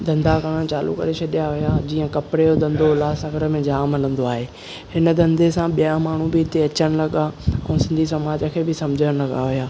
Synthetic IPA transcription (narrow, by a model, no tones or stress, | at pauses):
d̪ɐ̃nd̪akaːɽə̃ɽ̃t͡ɕaːlṵkɐ̰ɾet͡ɕʰɐɗijaɦʊjad͡ʑiːə̃kɐpɪɽeod̪ɐ̃nd̪ʱolaːsɐɡəɾəmẽd͡ʑaːmɐlə̃nd̪oaːɦeː | hɪnə̆d̪ɐ̃nd̪ʱesãɓijamaːɳ̤ubɪɪt̪eɐt͡ɕəɽ̃ɪ̆lɐɠaɛ̰̃ːsɪ̃nd̪ʱisɐmaːd͡ʑəkʰeːbɪsɐmd͡ʑʱəɽ̃lɐɠaɦʊjaː